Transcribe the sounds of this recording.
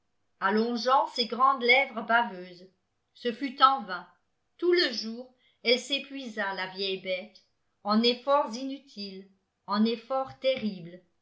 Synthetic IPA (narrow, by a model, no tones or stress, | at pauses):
alɔ̃ʒɑ̃seɡʁɑ̃d̪lɛvʁəbavøːz | səfyt̪ɑ̃vɛ̃ | t̪uləʒuːʁ | ɛlsepɥizalavjɛjbɛt̪ | ɑ̃nefɔʁzinyt̪ʰil | ɑ̃nefɔʁt̪eʁibl